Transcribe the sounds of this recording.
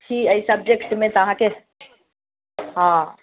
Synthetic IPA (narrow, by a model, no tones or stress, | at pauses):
t͡ʃʰiɐisɐb̚d͡ʒekʈmẽt̪ɐɦãke | ɦã